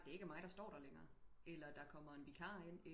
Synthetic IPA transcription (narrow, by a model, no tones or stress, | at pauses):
d̥e̝æɐe̝ɡ̥əmɑ̈ɪd̥ɑ̈sd̥ɒ̰ːɾ̥ɑleŋɐːelɐd̥ɑ̈kʰɒ̽m̰ɐe̝nʋikʰɑ̈ːe̝n̰e